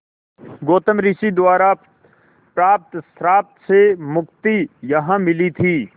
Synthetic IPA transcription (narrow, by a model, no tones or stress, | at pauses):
ɡoːt̪əmɾisid̪ʊaːɾa | pɾaːp̚t̪st̪ɾaːp̚t̪semʊkt̪ijɐɦãmɪlit̪ʰiː